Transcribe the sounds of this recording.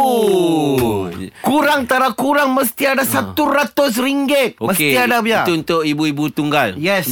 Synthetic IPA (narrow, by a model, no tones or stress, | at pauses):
kuɾaŋt̪aɾakuɾaŋmə̃st̪iadasat̪uɾat̪ʊs̬riŋɡɪt̪̚omə̃set̪iadabiauunt̪ʊkibuibut̪uŋɡaljɛs